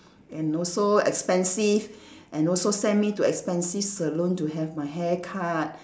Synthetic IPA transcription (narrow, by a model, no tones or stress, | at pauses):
ɛ̃nɔlsoɛ̰kspɛ̃nsivʔɛ̃nɔlsosɛ̃nmituɛkspɛ̃nsifsəlõntuɦɛvmaɪɦɛkʰat̚